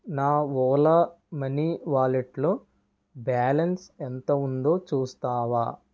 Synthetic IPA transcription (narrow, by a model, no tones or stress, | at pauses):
naːʋɔːlɐ | mɐniʋaːlɐʈlu | baːlɐnsent̪ɐund̪o̞ːt͡ʃuːst̪aːʋaː